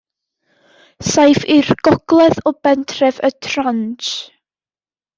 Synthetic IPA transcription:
sajfɪrɡ̥ɔɡ̥lˠɛðɔbɛntʰrɛvətʰrant͡ʃ

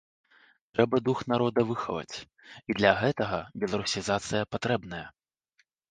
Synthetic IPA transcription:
t̪ɾɛbɐd̪uxnaɾɔd̪ɐvɨxɐ̰vɐ̰t͡sʲ | id̪lʲɐɣɛt̪ɐɣɐbʲɛlˠɐɾusʲizat̪sɨjɐpat̪ɾɛbn̪ɐjɛ

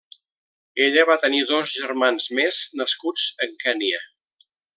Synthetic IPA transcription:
eʎəβat̪əniðozʒəɾmanzmeznəskud͡zəŋkɛniə

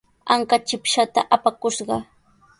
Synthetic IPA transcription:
aŋkat͡ʃɪpʃat̪aʔapakʊʃɢɑ

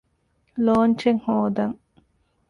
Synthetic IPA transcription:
loːnt͡ʃeŋhoːd̪ɐŋ

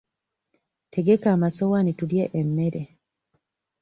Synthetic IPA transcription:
tʰeɡekaːmasɔwanituljeʔemːeɾe

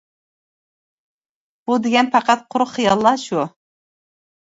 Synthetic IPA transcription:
b̥ud̪ɪɡʲɛnpʰɑqɑt̪̚qʰʊɾʊχijɑlˠːɑʃu

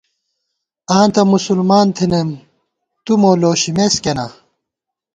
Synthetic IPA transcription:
ãːnt̪ɐmusulmaːnt̪ʰinem | t̪umoloːɕimeskena

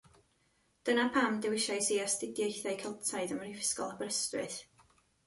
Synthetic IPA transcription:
d̥ənapʰamdɛwɪʃajsiastɪdjejθajkʰɛlˠtʰaɨðəmərivɪ̥skɔ̰lˠabəɾəstrɨθ

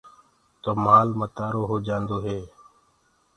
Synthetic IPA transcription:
t̪oːmaːlmət̪aːɾoːɦoːd͡ʒãːnd̪oːɦeː

